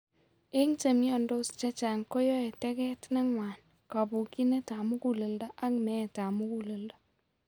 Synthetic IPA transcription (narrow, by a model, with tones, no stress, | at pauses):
e˦ŋt͡ʃe˨mi˦ɔ˨ndo˦st͡ʃa˦t͡ʃa˨ŋko˦jɔ˦e˨tɛ˦kɛ˦tna˦ŋwa˨n | ka˨bu˨ki˦ne˦ta˨mu˦ku˦˨le˨lda˦ʔa˦kmɛ˦˨ta˨mu˦ku˨le˨lda˦